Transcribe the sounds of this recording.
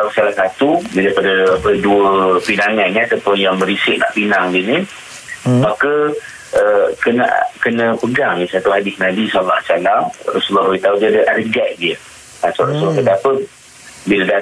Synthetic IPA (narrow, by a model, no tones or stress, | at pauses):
t̪asalasat̪udidaipadəapəduəpinaŋannĩat̪apʊnjaŋbəɾisɪʔ̚na̰ʔpinaŋdini | makə | əkəna̰ʔkənə̃pəɡaŋdisat̪uhadɪsnabisɔllːahsalamrasulːɔɦuit̪audiadəʔadəɡaʔ̚diə | at̪rasulɔhkət̪apə | biləda